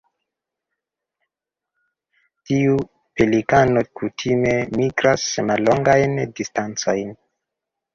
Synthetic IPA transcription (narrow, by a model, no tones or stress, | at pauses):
tiu | pelikano̞kutʰime̞miɡɾasmalːo̞ŋɡajndistant͡so̞jn